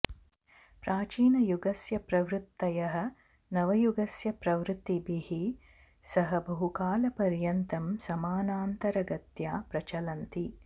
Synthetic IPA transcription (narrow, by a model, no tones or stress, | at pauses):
pɾaːt͡ʃiːnɐjuɡɐsjɐpɾɐʋɾut̪ːɐjɐɦɐ̆ | nɐʋɐjuɡɐsjɐpɾɐʋɾut̪ːibihi | sɐɦɐbɐɦukaːlɐpɐɾjɐnt̪ɐmsɐmaːnaːnt̪ɐɾɐɡɐt̪jaːpɾɐt͡ʃɐlɐnt̪i